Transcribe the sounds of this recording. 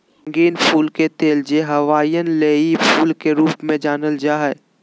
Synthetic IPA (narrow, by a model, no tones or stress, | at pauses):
ŋɡiːnpʰuːlket̪eːld͡ʒeɦɐʋaːijənleːipʰuːlkeɾuːpmẽd͡ʒaːnəld͡ʒaːɦɛ